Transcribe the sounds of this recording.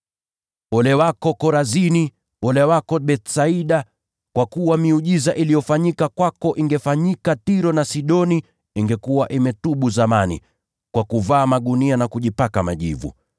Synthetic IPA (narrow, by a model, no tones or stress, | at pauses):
ɔlɛwakɔkɔɾazini | ɔlɛwakɔɓɛt̪saiɗa | kwakuwamiuʄizaʔilijɔfaɲikakwakɔʔiŋɡɛfaɲikatiɾɔnasiɗɔni | iŋɡɛkuwaʔimɛtuɓuzamanḭ | kwakuvaːmaɠunianakuʄipakama̰ʄḭvṵ